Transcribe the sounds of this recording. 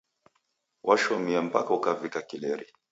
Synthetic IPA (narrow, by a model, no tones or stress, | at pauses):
wʔaʃɔmiam̩pakaukavikakilɛɾi